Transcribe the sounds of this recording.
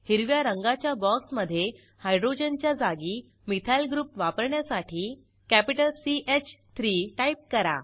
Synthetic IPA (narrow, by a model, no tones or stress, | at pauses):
hiɾʋjaɾəŋɡat͡ɕjabɔksməd̪ʱːje | hajɖɾod͡ʑənt͡ɕjad͡zaɡiː | mit̪ʰajlɡɾuːpʋapəɾɳjasaʈʰiː | kæpiʈəlsiʔet͡ɕt̪ʰɾiʈaip̚kəɾa̰